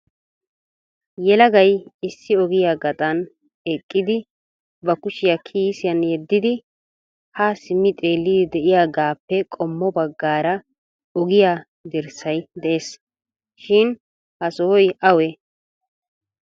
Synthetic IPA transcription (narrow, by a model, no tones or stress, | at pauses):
jɛlɐɡɐjɪsːɪɔɡɪjaːɡɐt̪ʼɐn | ɛkʼːɪd̪ɪ | bɐkʊʃɪjakʰiːsɪjɐnjɛd̪ːɪd̪ɪ | hasɪmːɪt̪ʼeːlːɪd̪ɪd̪ɛʔɪjaːɡaːpːɛkʼɔmːɔbɐɡːaːɾɐ | ɔɡɪjaː | d̪ɛɾsɐjd̪ɛʔeːs | ʃɪn | hɐsɔɔjʔɐwɛ